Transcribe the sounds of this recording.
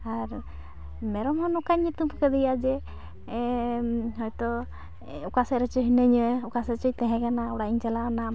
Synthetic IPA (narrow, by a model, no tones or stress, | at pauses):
aɾ | mɛɾɔmhɔnɔkaɲut̪umkəd̪ɛjad͡ʒɛ | ɦɔjt̪ɔ | ukasɛɾɛt͡ʃɔɦinəɲəukasɛɾt͡ʃɔjt̪ɛɦɛ̃kanaɔɽaʔiɲt͡ʃalanam